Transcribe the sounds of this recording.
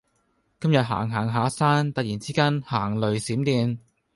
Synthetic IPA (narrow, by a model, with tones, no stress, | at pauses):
kɐ˥mjɐ˨t̚ɦa̰ː˨˩ŋɦaː˨˩ŋɦaː˨˥saː˥nt̪ɐ˨k̚jiː˨˩nt͡siː˥kaː˥nhaː˨˩ŋlɵ˨ɥsiː˨˥mt̪iː˧n